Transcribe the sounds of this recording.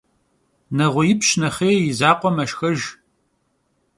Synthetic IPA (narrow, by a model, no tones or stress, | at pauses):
nɐʁʷʊjɪpɕnɐχeːjɪzaːqʷʼɔmɐʃxɐʒ